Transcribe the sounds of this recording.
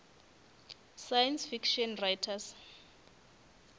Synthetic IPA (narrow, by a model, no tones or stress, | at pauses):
sajansfikʃɔnrajtʰas